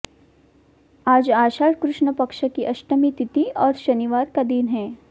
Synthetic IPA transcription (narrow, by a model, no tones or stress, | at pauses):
aːd͡ʒaːʃaːɾkɾʊʃɳəpɐkʃəkiʔɐʃʈəmit̪ɪt̪iɔːɾʃɐniʋaːɾkad̪iːnɦɛ̃ː